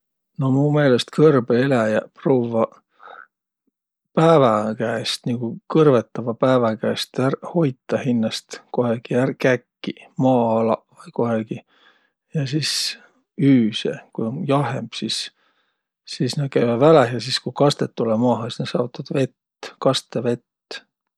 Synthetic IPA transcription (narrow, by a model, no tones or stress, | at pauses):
no̞muːme̞ːlest̪kɤrb̥eelæjɑproːvɑ | pæːvɑkæest̪niɡ̥ukɤrvet̪ːˑɑvɑpæːvɑkæːst̪ærho̞jt̪ːˑɑhinːɑst̪koheɡ̥iærkækːimɑːɑlɑ̰vɑjkoɦeɡ̥i | jɑsis | yːsekujonjɑɦemb̥sisː | isnekæjmɑvælehjɑsiskujkɑst̪et̪ːulemɑːɦɑsi̥sne̥sɑut̪ːˑɑd̪̥ve̞t̪ː | kɑst̪eve̞t̪ː